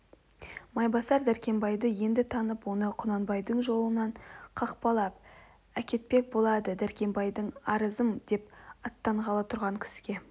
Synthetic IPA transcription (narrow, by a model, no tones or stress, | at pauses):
mɑjbɑsɑɾd̪æɾkʲe̞mbɑjd̪əje̞nd̪ɪt̪ʰɑnəpwo̞nəqʰʊnɑnbɑjd̪əɴʒo̞lˠənɑɴqʰɑqpɑlˠɑp̚ | ækʲe̞t̪̚pe̞k̚bo̞lˠɑd̪əd̪æɾkʲe̞mbɑjd̪əɴɑɾəzəmd̪e̞pɑt̪ːɑɴʁɑlˠɑt̪ʰʊɾʁɑŋkʲʰɪ̥sɪ̥ɡʲe̞